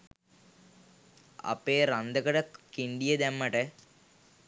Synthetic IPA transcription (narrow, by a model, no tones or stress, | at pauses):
ɐ̰peːrɐnd̪ɐkɐɽɐkiɳɖijɐd̪emːɐʈɨ